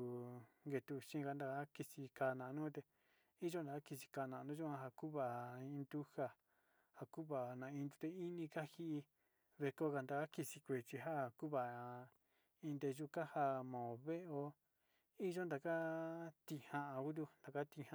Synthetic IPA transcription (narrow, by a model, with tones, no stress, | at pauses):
ŋɡe˧t̪u˧ʃĩ˧ka˧nd̪a˧˨ka˦ki˧si˧ka˧nã˨˧nũ˦t̪e˧ | i˦ʒo˦nd̪a˨ka˦ki˧si̥˧ka˧˨˧nã˨˧nũ˦ʒu˦ã˧ɦa˧ku˦βa˨ĩ˧nd̪u˦ha˧ | ha˧ku˦βa˨nã˨˧ĩ˧nd̪u̥˧t̪e˧i˦nĩ˧ka˦hi˦ʔi˧ | βe˧ko˦ka˧nd̪a˧˨ka˦ki˧si˧kʷe˨t͡ʃi˧ɦa˦˨ku˦βa˨˧ | ĩ˧nd̪e˧ʒu˧˦ka˦ha˧mã˨o˨βe˦ʔo˧ | i˦ʒo˦nd̪a˨ka˦t̪i˧˨hã˧ʔa˧ku˦d̪̬u˧nd̪a˨ka˦t̪i˧hã˧